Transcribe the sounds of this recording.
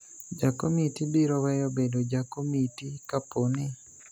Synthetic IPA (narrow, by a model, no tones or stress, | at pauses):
d͡ʒakomitibiɾɔwɛjobedod͡ʒakomitikaponɪ